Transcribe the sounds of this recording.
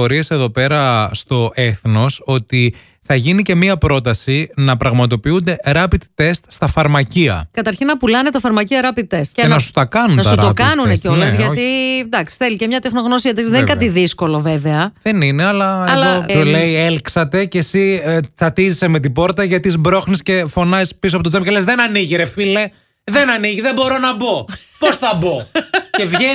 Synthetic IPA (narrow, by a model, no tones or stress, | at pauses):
o̞ɾie̞se̞ðo̞pe̞ɾɐst̪o̞ʔeθno̞so̞t̪i | θɐʝinice̞miɐpɾo̞t̪ɐsinɐpɾɐɣmɐt̪o̞piund̪e̞ɾɐpit̪t̪e̞st̪st̪ɐfɐɾmɐciɐ̰kɐt̪ɐɾçinɐpulɐnet̪ɐfɐɾmɐciɐɾɐpit̪̚ːest̪enɐsu̥st̪ɐkɐnunnɐt̪sɐuɾt̪opkɐnuneceolɐzʝɐt̪id̪ɐksi̥θelicemɲɐt̪e̞xno̞ɣno̞s̬iʝɐt̪ɐðenikɐt̪iðisko̞lo̞veveɐðenineɐlɐɐlosuleielksɐt̪e̞cesit͡sɐt̪izisemet̪̬ibo̞ɾt̪ɐʝɐt̪izbɾo̞xnisce̞fo̞nɐispisuoɐpot̪ot͡semcelezðenɐniʝiɾefile | ðenɐniʝiðebo̞ɾo̞nɐbo̞po̞sθɐbo̞ce̞vʝe